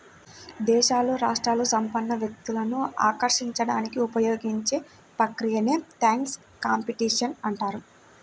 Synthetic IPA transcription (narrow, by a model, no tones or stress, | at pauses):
d̪ɛːʃaːloːɾaːʂʈɾaːlusɐmpɐnːɐʋjɐk̚t̪ulɐnua̰ːkɐɾʂiɲt͡ʃɐɽaːnikiupɐjo̞ːɡiɲt͡ʃe̞ː | pɐkɾijɐne̞ːt̪aːŋks | kaːmpiʈiːʂɐnɐɳʈaːɾu